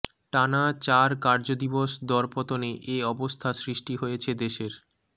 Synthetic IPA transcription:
ʈanat͡ɕaɾkaɾd͡ʑod̪iboʃd̪ɔɾpɔt̪oneʔeɔbost̪ʰasɾiʃʈiɦojet͡ɕʰed̪eʃeɾ

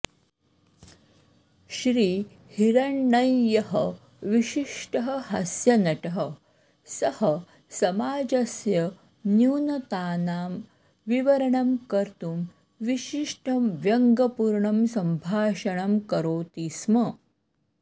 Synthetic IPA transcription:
ɕɾiː | hiɾɐɳːɐjːɐɦɐ | ʋiʃiʂʈɐɦɐɦɐsjɐnɐʈɐɦɐ | sɐhɐ | sɐmaːd͡ʑɐsjɐ | njuːnɐt̪aːnaːm | ʋiʋɐɾɐɳɐmkɐɾt̪um | ʋiʃiʂʈʰɐmʋjɐŋɡɐpuːɾɳɐmsɐmbʱaːʃɐɳɐmkɐɾoːt̪iːsmɐ

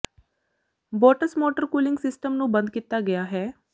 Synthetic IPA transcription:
boːʈəsmoːʈəɾkuːlɪ̃ŋɡsɪsʈəmnũbə̃nd̪̚kit̪aɡɐjaɦɛː

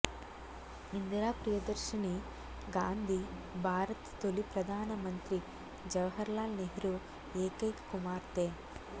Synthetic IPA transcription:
ind̪ɾaːpɾijɐd̪ɐɾʃini | ɡaːnd̪ʱibʱaːɾɐt̪t̪olipɾɐd̪ʱaːnɐmɐnt̪ɾi | d͡ʒɐʋɦɐɾlaːlneɦɾu | eːkɐjkkumaːɾt̪eː

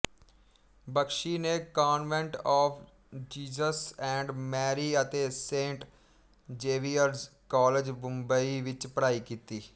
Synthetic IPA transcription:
bəkʃiːnekaːnʋɛ̃ɳʈɔːfʰ | d͡ʒiːzəsɛ̃ːɳɖmɛːɾiːət̪eːsẽːɳʈ | d͡ʒeːʋiːəɾzkɔːled͡ʒbʊ̃mbəiʋɪt͡ʃpəɾaːiːkiːt̪iː

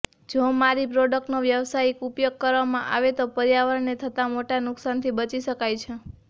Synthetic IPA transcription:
d͡ʒomaɾipɾoɖək̚ʈnoʋjəʋsajkupjoɡ̚kəɾʋamãʔa̰ʋet̪opəɾijaʋəɾnet̪ʰət̪amoʈanʊksant̪ʰibət͡ʃiʃəkajt͡ʃʰe

